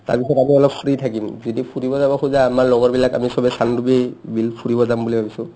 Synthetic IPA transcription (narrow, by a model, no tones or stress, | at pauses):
ta̰ɹpisɔtamiɔlɔpfɹitʰakimzidipʰuɹibɔzabɔxuzaːmaɹlɔɡɔɹbilaka̰misɔbɛsandubibilpʰuɹibɔzambulibʱabisʊ̃